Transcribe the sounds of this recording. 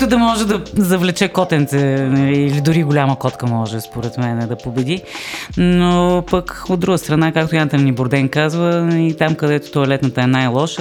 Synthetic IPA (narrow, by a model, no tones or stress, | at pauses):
t̪ʊd̪ɐmɔʒɛd̪ɐzɐvlɛt͡ʃɛkɔt̪ɛnt̪sɛnɐliːlid̪ʊɾiɡʊlʲaməkɔt̪kəmɔʒɛspoɾɛt̪mɛnɛd̪ɐpobɛd̪i | nopəkod̪d̪ɾuɡəst̪ɾɐnakak̚t̪ojant̪ənnibʊɾd̪ɛŋkazvəit̪amkəd̪ɛt̪o̥t̪oɐlɛt̪nət̪əɛnajlˠɔʃ